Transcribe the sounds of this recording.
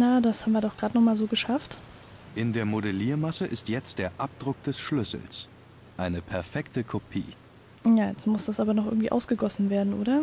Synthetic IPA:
nadashaːbm̩viːɐdɔχɡ̥ʁaːtnɔχmaːlzoːɡəʃaft | ʔɪndeːɐmodeliːɐmasəʔɪstjɛt͡st̚d̥eːɐʔap̚d̥ʁʊk̚d̥ɛsʃlʏsl̩s | ʔaɪnəpʰɛɐfɛktəkʰopʰḭː | jaːjɛt͡stmʊsd̥asʔaːbɐnɔχʔɪɐɡŋ̩tv̥iːʔa̰ʊsɡ̥əɡɔsn̩veːɐdn̩ʔoːɾɐ

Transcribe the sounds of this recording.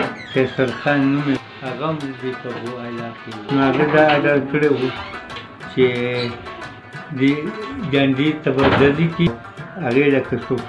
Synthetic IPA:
kesaɾxɑnnume | haɣamd̪it̪abualakewnoaɣad̪aːɖalkəɽewu | t͡ʃe | d̪iɡaɳɖit̪abadaliki | aɣelakasok

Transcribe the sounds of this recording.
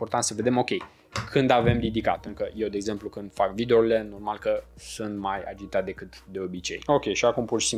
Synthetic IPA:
port̪ant̪səve̞d̪e̞mo̞kʲe̞j | kʰɨnd̪ave̞mrid̪ika̰t̪ɨŋkəje̞wd̪eːɡze̞mplukɨnd̪̥fakvid̪eoɾile̞no̞rmalkəsunt̪maja̰d͡ʒit̪at̪̚d̪e̞kɨt̪d̪e̞o̞bit͡ʃe̞̰jo̞kʲe̞jʃiakumpurʃi̥si

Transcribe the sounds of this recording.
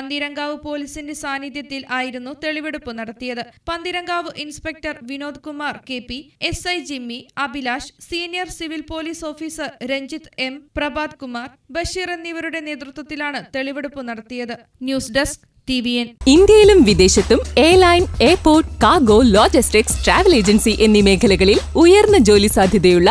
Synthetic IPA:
ɐnd̪iɾɐŋɡaːʋɨpo̞ːlisindesaːnid̪jɐt̪ːilʔaːjiɾunːut̪e̞ɭiʋeɽupːɨnɐɽɐt̪ːijɐðɨpɐnd̪iɾɐŋɡaːʋɨʔinspek̚ʈɐrʋino̞ːd̪kumaːrke̞ːpːie̞sɐjd͡ʑimːiɐbilaːʂsiːnijɐrsiʋilpo̞ːliːso̞ːfiːsɨɾeɲd͡ʑit̪e̞mprɐbaːd̪kumaːrbɐʂiːrenːiʋɐɾuɽe̞ne̞ːt̪rɨt̪wɐt̪ːilaːɳɨt̪e̞ɭiʋɐɽupːɨnɐɽɐt̪ːijɐðɨ | njuːsɖesk | ʈiʋienind̪jɐjilumʋid̪e̞ːɕɐt̪ːumeːlɐjneːpːo̞ːrʈkaːɡoːloːd͡ʑɐsʈiksʈraːʋɐle̞ːd͡ʑɐnsiʔe̞nːime̞ːkʰɐlɐɣɐɭilujɐrnːɐd͡ʑoːlisaːd̪ʱjɐðejuɭːɐ

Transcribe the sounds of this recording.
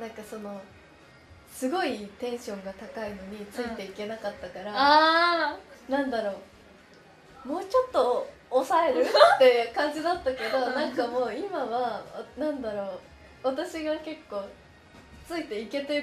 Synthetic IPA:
nãŋkaso̞no̞ | sɨɡo̞it̪ẽ̞ɰ̃ɕõ̞ŋɡat̪akaino̞ɲ̟it͡sɨit̪e̞ike̞nakat̪ːakaɾa | nãnd̪aɾo̞ː | mo̞ːt͡ɕo̞t̪ːo̞ː | sae̞ɾɯ̟t̪ːe̞jɯ̟kãɲ̟d͡ʑid̪at̪ːake̞d̪o̞nãŋkamo̞ːimaβaanãnd̪aɾo̞ː | βat̪aɕiɡake̞kːo̞ː | t͡sɨit̪e̞ike̞t̪eɯ

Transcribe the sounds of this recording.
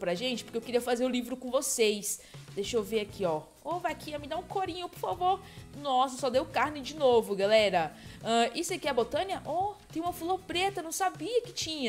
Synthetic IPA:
pɾɐʒẽnt͡ʃɪpoɾkewkeɾiɐfazeɾʊlivɾʊkõvosejsd̪ejʃewveɾakʰiɔ | ovajkiamɪd̪aũkoɾĩɲʊpoɾfavoɾ | nɔsɐsɔd̪ewʊkaɾnɪd͡ʒɪnovʊɡalɛɾɐɐ̃ʔisʊakiɐbot̪ɐ̃niɐʔɔt̪ẽj̃ũmɐfulopɾet̪ɐnɐ̃w̃sabiɐkɪ̥t͡ʃĩɲɐ

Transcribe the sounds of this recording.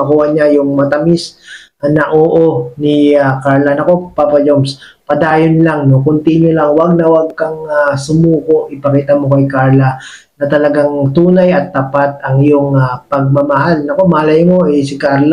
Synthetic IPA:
ɐkuːhɐɲajʊŋmɐt̪ɐmis | nɐʔoːʔo̞nɪakaɹlɐnɐko̞papɐd͡ʒomspɐd̪aːjonlaŋnokʊnt̪iːɲolɐŋwɐɡ̚nɐwɐɡ̚kɐŋasʊmuːko̞ʔɪpɐkiːt̪ɐmokɐjkaɹlɐ | nɐt̪ɐlɐɡaŋt̪uːnɐjɐt̪ːapat̪̚ɐŋɪjoŋapɐɡ̚mɐmɐɦalnɐkomɐhalɐjmoʔɛsɪkaɾl

